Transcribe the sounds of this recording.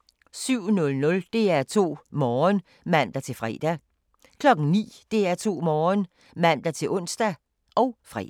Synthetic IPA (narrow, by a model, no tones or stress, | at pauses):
syʊ̰nɔ̽lnɔ̽ld̥e̝æɐt͡sʰo̝̰ːmɒːn | mæn̰d̥æt͡sʰe̝lfʁɛ̰ːd̥æ | kʰlɒ̽ɡ̥ŋ̩nḭːd̥e̝æɐt͡sʰo̝̰ːmɒːn | mæn̰d̥æt͡sʰe̝lʔɔ̽n̰sd̥æ | ʔɒ̽ʊfʁɛ̰̥